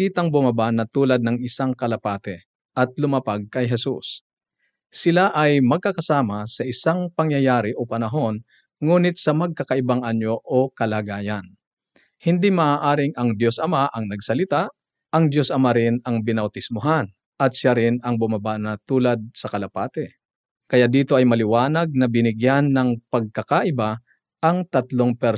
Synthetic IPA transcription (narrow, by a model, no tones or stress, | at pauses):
iːt̪ɐŋbʊmabaʔnɐt̪uːlɐd̪̚nɐŋɪsaŋkɐlɐpaːt̪ɛ | ʔɐt̪̚lʊmɐpaɡ̚kɐjɦɛsṵs | sɪlaʔɐjmɐɡ̚kɐkɐsaːmɐsɐʔɪsaŋpɐŋjɐjaːɾɪʔopɐnɐɦo̞n | ŋuːnɪt̪̚sɐmɐɡ̚kɐkɐʔɪbaŋʔɐɲo̞ʔokɐlaːɡaːjɐn | hɪnd̪imɐʔaːʔaːɾɪŋɐŋd̪jo̞sʔɐmaʔɐŋnɐɡsɐlɪt̪a | ʔɐŋd̪jo̞sʔɐmaɾɪnɐŋbɪnɐwt̪ɪsmoɦan | ʔɐt̪̚ʃaɾɪnɐŋbʊmɐbaʔnɐt̪uːlɐd̪̚sɐkɐlɐpaːt̪ɛ | kɐjaʔd̪iːt̪o̞ʔɐjmɐlɪwaːnɐɡ̚nɐbɪnɪɡjanːɐŋpɐɡ̚kɐkaʔɪba | ʔɐŋt̪ɐt̪loŋpɛɾ